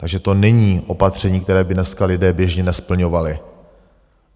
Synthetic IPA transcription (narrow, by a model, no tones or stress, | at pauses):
t̪aɡʒɛt̪o̞nɛɲiːʔo̞pat̪r̝̥ɛɲiːk̚t̪ɛɾɛːbɪnɛskalɪdɛːbjɛʒɲɛnɛspl̩ɲo̞valɪ